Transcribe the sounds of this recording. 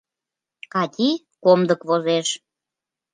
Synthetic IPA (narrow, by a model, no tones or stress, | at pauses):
kɑt̪ʲi | komd̪əkβozeʃ